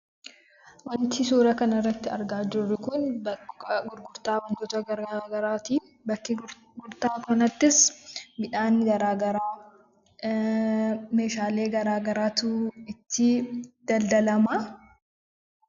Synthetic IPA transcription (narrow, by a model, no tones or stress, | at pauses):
wɐnt̪ɪsuːɾɐkɐnɐrːɐt̪ːɪɐɾɡaːd͡ʒʊrːɪkʊnbɐɡʊɾɡʊɾt̪aːwɐnt̪ɔːt̪ɐɡɐɾaɡɐɾaːt̪iː | bɐkːɪ | ɡʊɾt̪aːkɔnɐt̪ːɪsbɪᶑaːnɡɐɾaːɡɐɾaː | me̞ːʃaːle̞ːɡɐɾaːɡɐɾaːt̪uɪt̪ːɪd̪̥ɐld̪ɐlɐma